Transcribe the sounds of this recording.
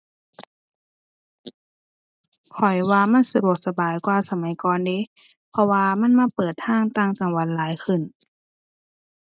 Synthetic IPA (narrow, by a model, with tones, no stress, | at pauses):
kʰɔ˨˩jwaː˧ma˧˥˨nsa˧du˨˩ək̚sa˧baː˨˩jkwaː˧sa˧ma˨˦jkɔː˧˨nde˧˦˨ | pʰɔ˧waː˧ma˧˥˨nmaː˧˥˨pɤː˨˩t̪ʰːaː˧˥˨ŋt̪aː˧˩˨ŋka˧˩ŋwa˨˧˥t̪̚laː˨˦jkʰɯ˧˩˨n